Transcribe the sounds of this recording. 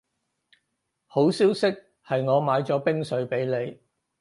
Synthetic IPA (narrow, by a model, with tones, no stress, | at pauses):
ho˨˥wsiː˥wsɪ˥k̚ | hɐ˨jŋɔː˨˧maː˨˧˥jt͡sɔː˨˥pɪ˥ŋsɵ˨˥ɥpe˨˥jle˨˧j